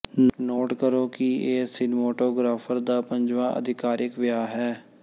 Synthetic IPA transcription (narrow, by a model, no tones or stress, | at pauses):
noːʈkəɾoːkɪeːsɪnmoːʈoːɡɾaːpʰəɾd̪aːpəɲd͡ʒʋãːʔə̰d̪ɪkaːɾɪkʋɪjaːɦɛː